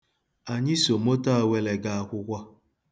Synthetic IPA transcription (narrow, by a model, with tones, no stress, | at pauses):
a˨ɲɪ˦so˨mo˦ta˦a˨we˦le˨ɡa˦a˨kʷʊ˦kʷa˦